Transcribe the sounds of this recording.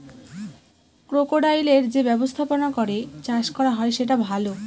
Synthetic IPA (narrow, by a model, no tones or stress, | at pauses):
kɾokoɖajleɾd͡ʑebɛbost̪ʰaponakɔɾet͡ɕaʃkɔɾaɦɔeʃeʈ̬abʱalo